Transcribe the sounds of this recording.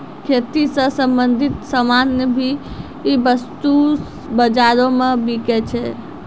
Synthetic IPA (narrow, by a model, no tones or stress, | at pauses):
kʰet̪isə̃sə̃mbə̃nd̪ʱɪt̪səmanːebʱi | ibəst̪u | bəd͡ʒaɾõmẽbiket͡ʃʰe